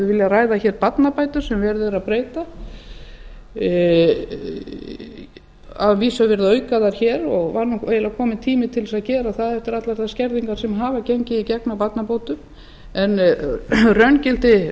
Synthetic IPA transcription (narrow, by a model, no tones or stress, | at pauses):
ɪvɪljaraːjðaçɛːɾpat̪napaːjt̪ʏɾ̥sɛmvɛɾðɪɾaðpɾeːjt̪a | avviːsavɪɾðaœːɥkaðaɾ̥çɛːɾɔɣvaɾnueːjɪlaðkʰɔːmɪt̪ʰiːmɪt̪ʰɪlsaðcɛːɾaθaðɛft̪ɪɾat̪laɾ̥θascɛɾðiŋkaɾ̥sɛmɦaːvaceɲcɪicɛknapat̪napowt̪ʏm | ɛn | rœncɪl̥t̪ɪ